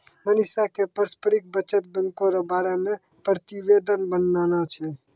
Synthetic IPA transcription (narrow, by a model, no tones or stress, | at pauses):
mənɪsakepəɾspəɽik̚bət͡ʃət̪̚bə̃ŋkoɾabaːɽamẽ | pɾət̪iʋed̪ənbənːaːnat͡ʃʰɛ